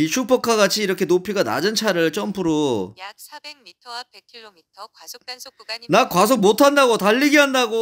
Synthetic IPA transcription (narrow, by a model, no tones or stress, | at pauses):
iɕʰupʰʌkʰaɡat͡ɕʰiːɾʌkʰe̞nopʰiɡana̰d͡ʑɯnt͡ɕʰaɾɯɭt͡ɕ͈ʰʌmpʰɯɾo | nakwas̬ʰomotʰandaɡotaʎːiɡiɦandaɡo